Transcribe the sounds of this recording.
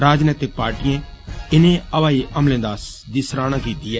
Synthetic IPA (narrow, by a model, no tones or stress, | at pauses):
ɾaːd͡ʒnɛːt̪ɪk̚paːɾʈijẽː | ɪnẽːəʋaːiːʔəmlẽːd̪aːs | d̪isɾaːñãːkiːt̪iːɛː